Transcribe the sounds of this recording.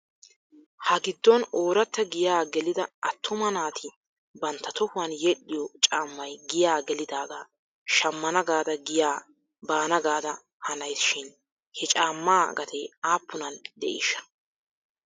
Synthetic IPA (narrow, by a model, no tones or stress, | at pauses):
hɐɡɪd̪ːɔno̞ːɾɐt̪ːɐɡɪjaːɡɛlɪd̪ɐɐt̪ʰːʊmɐnaːt̪ʰɪ | bɐnt̪ːɐt̪ɔhʊwɐnjɛɗːɪjɔt͡ʃʼaːmːɐjɡɪjaːɡɛlɪd̪aːɡaː | ʃɐmːɐnɐɡaːd̪ɐɡɪjaː | baːnɐɡaːd̪ɐ | hɐnɐjsʃɪn | hɛt͡ʃʼaːmːaːɡɐt̪ʰɛaːpːʊnɐnd̪ɛ̰ʔɪ̰ʃɐ̥